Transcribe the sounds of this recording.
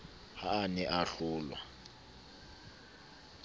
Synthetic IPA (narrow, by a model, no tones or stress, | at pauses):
haːnɛʔaɬʊːlwa